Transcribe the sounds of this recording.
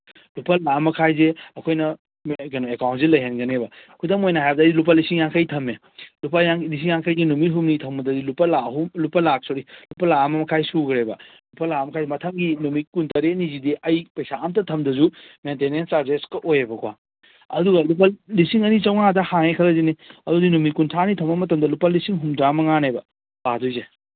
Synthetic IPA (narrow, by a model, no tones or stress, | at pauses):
lupɐlamɐkʰajzeɐkʰojnɐ | mɡenoekawntsilɐjɦenɡɐnebɐkʰudɐmojnɐɦajbɐdɐːjilup̬alisiŋjaŋkʰɐjtʰɐme | lupajaŋlis̬iŋjaŋkʰəjɡinumit̚ɦumnitʰɐmɡɐdɐdilupɐlaɦumlupɐlak̚soɾilupɐlaɐmɐmɐkʰajsuɡɾebɐlupɐlamɐkʰajzemɐtʰɐmɡinumit̚kuntɐɾeɐnizidiʔɐjpɐjsaamtɐtʰɐmdɐzumentenensaɾd͡ʒeskɐʔojebɐkʰuwa̰ | ɐ̰duɡɐlup̬ɐlisiŋɐnit͡ʃɐwŋadɐhaŋekʰɐlɐdiniɐdodinumikuntʰanitʰɐmɐmɐtɐmdɐlupalːisiŋɦumdamɐŋanebɐ | badojze